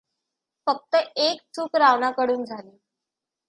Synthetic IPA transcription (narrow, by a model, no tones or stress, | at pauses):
fək̚t̪əek̚t͡sʰuːkɾaʋnakəɽuːnd͡zʱali